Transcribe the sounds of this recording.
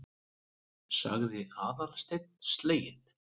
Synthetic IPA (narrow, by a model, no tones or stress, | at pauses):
sa̰ɣðɪaːðaɾ̥st̪ejt̪̚n̥st̪leːjɪn